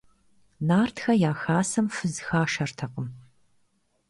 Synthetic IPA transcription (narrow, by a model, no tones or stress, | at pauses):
naːrtxɐjaːxaːsɐmfɨzxaːʃɐrtʰɐqəm